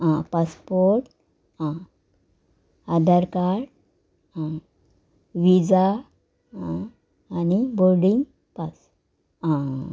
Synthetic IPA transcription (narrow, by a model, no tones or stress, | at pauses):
ãpaspoɾɾʈ | ã | ad̪ʱəɾkaɽ | ã | ʋid͡za | ãː | nibolɖĩŋɡ | pas | ã